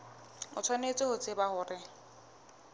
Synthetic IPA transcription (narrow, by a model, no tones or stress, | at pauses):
ʊ̰t͡sʰwanet͡sʼɪhʊt͡sʼɪbahʊːrɪ